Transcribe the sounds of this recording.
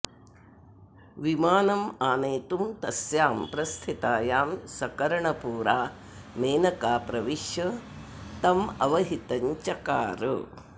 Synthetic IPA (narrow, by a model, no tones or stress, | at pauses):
ʋimaːnɐmaːneːt̪umt̪ɐsjaːmpɾɐst̪ʰit̪aːjaːmsɐkɐɾɐɳɐpuːɾaː | meːnɐkaːpɾɐʋiʃjɐ | t̪ɐmɐ̰ʋɐɦit̪ɐɲt͡ʃɐkaːɾɨ